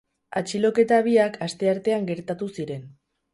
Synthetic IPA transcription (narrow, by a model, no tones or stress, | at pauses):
at͡ʃilo̞ke̞t̪aβ̞iakʰast̪e̞aɾt̪e̞aŋɡe̞ɾt̪at̪usiɾe̞n